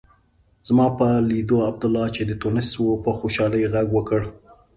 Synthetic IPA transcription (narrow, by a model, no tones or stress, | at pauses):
z̥mɑpəlid̪oab̚d̪ʊlːɑt͡ʃed̪ət̪onɪswopəxoʃɑləjɣaɡwəkəɽ